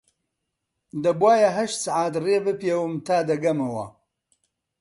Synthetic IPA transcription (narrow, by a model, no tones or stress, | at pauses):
d̪ɐbwaːjɐɦɐʃt̪saʕaːt̪reːbɨpewɨmt̪ʰaːd̪ɐɡɐmɐwɐ̰